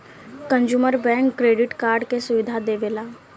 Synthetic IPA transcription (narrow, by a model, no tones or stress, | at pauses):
kə̃nd͡ʒuːməɾbɛ̃ːŋkːɾeːɖɪʈkaːɾɖkesʊʋɪd̪ʱad̪eːʋeːlaː